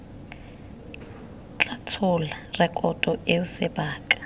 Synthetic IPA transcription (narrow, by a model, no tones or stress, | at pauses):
t͡ɬʼatʰʊlarɛkʼɔtʼɔʔeʊsɪbaːkʼḁ